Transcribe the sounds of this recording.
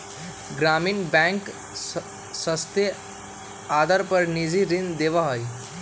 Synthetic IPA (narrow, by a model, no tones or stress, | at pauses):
ɡɾamiːnbɛ̃ŋk | səst̪e | ad̪əɾpəɾnid͡ʒiɾind̪eʋaɦoj